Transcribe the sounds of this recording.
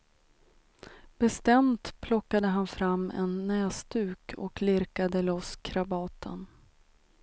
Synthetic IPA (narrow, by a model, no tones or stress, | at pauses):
b̥ɛst̪ɛmt̪pʰlɔkːad̪əɦanfɾamːɛ̰nːɛːsd̪ʉ̟ːkʰɔ̰klɪɾkad̪əlɔskʰɾabɑːt̪ʰə̰n